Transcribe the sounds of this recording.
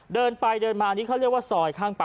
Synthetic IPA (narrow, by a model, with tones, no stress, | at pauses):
dɤː˧npa˧jdɤː˧nmaː˧niː˦˥kʰa˥˩ɾi˥˩ək̚waː˥˩sɔː˨˩jkʰaː˥˩ŋpa˧